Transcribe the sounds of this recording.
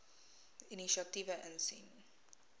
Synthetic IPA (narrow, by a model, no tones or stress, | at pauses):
iniʃiɐtivəʔənsḭn